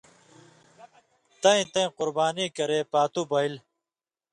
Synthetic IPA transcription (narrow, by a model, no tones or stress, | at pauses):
t̪ɐĩt̪ɐ̃ĩqʊɾbaːnikɐɾeːpaːt̪ubɐil